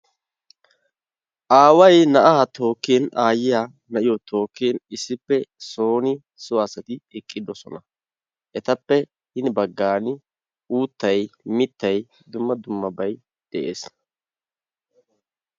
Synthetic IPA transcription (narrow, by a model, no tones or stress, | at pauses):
ʔaːwɐjnɐʔaːt̪ʰo̞ːkːeːnaːjɪjaː | nɐʔɪjɔt̪ʰo̞ːkːeːnɪsːɪpːɛso̞ːnɪ | sʊasɐt̪ɪɛkʼːɪd̪ɔsɔ̰nɐ | ʔɛt̪ɐpːɛ | hɪnbɐɡːaːnɪ | ʔuːt̪ːɐjmɪt̪ːɐj | d̪ʊmːɐd̪ʊmːɐbɐj | d̪̥ɛʔḛːs